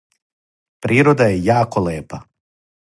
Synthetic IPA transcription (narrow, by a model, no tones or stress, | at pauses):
pɾʔiːɾod̪ajejaːkoleːpa